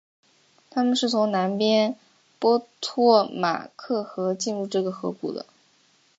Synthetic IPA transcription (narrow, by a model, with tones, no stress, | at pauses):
t̪ʰa˥mə˨nʂɻ̩˥˩t͡sʰʊ˧˥ŋna˧˥npjɛ˥n | pwɔ˥t̪ʰwɔ˥˩ma̰˨˩kʰɤ˥˩xɤ˧˥t͡ɕi˥˧nɻu˥˧ʈ͡ʂɤ˥˩ɡə˩xɤ˧˥kṵ˨˩d̪ə̰˦